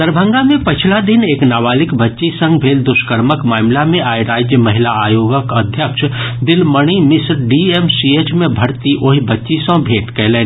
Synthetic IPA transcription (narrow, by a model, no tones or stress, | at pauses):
d̪əɾbʱə̃ŋɡamẽpət͡ʃʰlad̪ɪneːknaːʋaːlɪkbətːʃisə̃ŋɡbʱeːld̪ʊʃkəɾməkmaːmlamẽaːjɾaːd͡ʒjəmɐɦɪlaaːjoːɡəkəd̪ʱjəkʃd̪ɪlməɽ̃imɪsɾɖiemsiet͡ʃmẽbʱəɽt̪iʔoɦibətːʃisə̃bʱeːʈkɛɦlẽːn